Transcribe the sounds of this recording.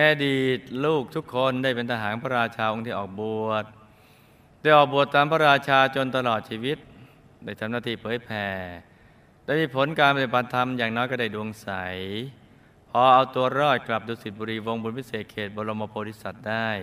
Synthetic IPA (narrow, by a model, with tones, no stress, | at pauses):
ʔɛː˧diː˨˩t̪̚luː˥˩k̚t̪ʰu˦˥kʰːo˧ndaː˥˩jpe˧nt̪ʰa˧ɦaː˩˦˥npʰa˧ɾaː˧t͡ɕʰaː˧ʔo˧ŋt̪ʰiː˧˩ʔɔː˨˩k̚bu˨˩ət̪̚ː | aː˥˩jʔɔː˨˩k̚bu˨˩ət̪ːaː˧mpʰa˧ɾaː˧t͡ɕʰaː˧t͡ɕo˧nt̪a˧lɔː˨˩t̪̚t͡ɕʰiː˧wi˦˥t̪̚ | daː˥˩jt̪ʰa˧˥mnaː˥˩t̪ʰiː˧˩pʰɤː˩˦jpʰɛː˧˩ | dɛː˧˥˩jmiː˧pʰo˩˦nkaː˧npa˧ɾi˨˩pʰa˧nt̪ʰa˧mjaː˨˩ŋnɔː˦˥jkɔ˧˩daː˥˩jdu˧əŋsa˩˦j | pʰɔː˧ʔa˧wt̪u˧ɐɾɔː˥˩t̪̚kla˨˩p̚duː˧si˨˩t̪̚buː˧ɾiː˧wo˧ŋbu˧npi˥seː˨˩t̪̚kʰeː˨˩t̪̚boː˧lo˧moː˧pʰoː˧ɾi˦˥˩sa˨˩t̪̚daː˥˩j